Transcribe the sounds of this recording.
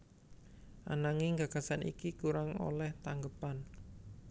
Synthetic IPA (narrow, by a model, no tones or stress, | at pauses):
ʔa̰naŋiŋɡaɡ̥a̤sanḭkikuɾaŋo̰lɛht̪aŋɡəpan